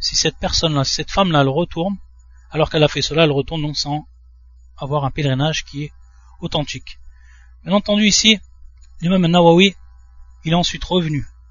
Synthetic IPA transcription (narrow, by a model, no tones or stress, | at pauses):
sisɛt̪̚pɛʁsɔnlasi̥sɛt̪famlaɛlʁət̪ʰuʁn | alɔʁkɛlafɛsəlaɛlʁət̪uʁnd̪ɔ̃ksɑ̃ | avwaʁɛ̃pelʁinaʒkʲiɛ | ot̪ɑ̃t̪ʰik | mɛnɑ̃t̪ɑ̃d̪yisiilamɛmɛ̃nawawi | ilɛɑ̃sɥit̪ʁəvny